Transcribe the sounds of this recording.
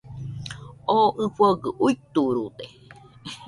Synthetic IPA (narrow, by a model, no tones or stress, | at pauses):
oʔɨ̃ɸoɡɨʔuit̪uɾud̪e